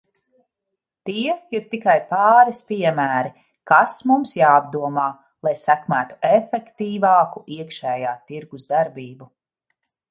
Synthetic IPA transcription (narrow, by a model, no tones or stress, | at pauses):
t̪iɛiɾt̪ikajpɑːɾispiɛmæːɾi | kasmumsjaːb̚d̪uɔmaː | lˠajsækmæːt̪u̥efɛkt̪iːvɑːkuiɛkʃɛːjaːt̪iɾɡuzd̪aɾbiːbu